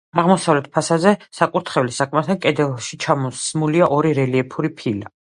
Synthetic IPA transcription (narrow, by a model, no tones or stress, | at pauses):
aʁmɔsavlɛt̪̚ʰpʰasazɛsakʼuɾt̪ʰχɛvlisakʼʰmat̪ʰakʼɛd̪ɛlˠʃit͡ʃʰamɔsmuliaʔɔɾiɾɛliɛpʰuɾipʰila